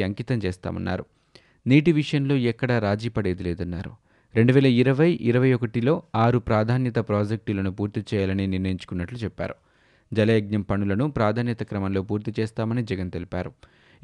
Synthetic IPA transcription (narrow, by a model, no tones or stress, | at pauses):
ɐŋkiːt̪ɐmt͡ʃeːst̪a̰ːmɐ̰nːa̰ːɾu | niːʈiʋiʂɐjɐnlo̞ːɛkːɐɽaɾaːd͡ʒiːpɐɽe̞ːd̪ileːd̪ɐnːaːɾṵ | ɾe̞ɳɖuʋɛːlɐiɾɐʋɐjʔḭɾɐʋɐjɔkɐʈilo̞ːaːɾupɾaːd̪ʱaːnjɐt̪ɐpɾaːd͡ʒek̚ʈulɐnupuːɾt̪it͡ʃɛːjaːlɐniniɾnɐjiɲt͡ʃu̥kunːɐʈlut͡ʃɛpːa̰ːɾu | d͡ʒɐleːɡ̚ɲɐmpɐnulɐnupɾaːd̪ʱaːnjɐt̪ɐkɾɐmɐnlo̞ːpuːɾt̪it͡ʃeːst̪aːmɐnid͡ʒɛɡɐnt̪e̞lipa̰ːɾu